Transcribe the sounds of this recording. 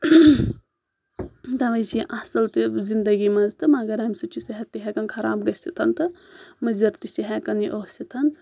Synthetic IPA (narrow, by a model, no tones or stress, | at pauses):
d̪ɐʋɐjt͡ʃiʔɐsɐlt̪ɨzind̪ɐɡimɐnzt̪ɨmɐɡɐɾɐmʲsut͡ʃʰisɐɦɐt̪ːiɦekɐnkʰɐɾa̰ːbɡɐsʲit̪ʰɐnt̪ɨmɐzɐɾt̪ist͡ʃiɦekɐniʔoːsit̪ʰɐnz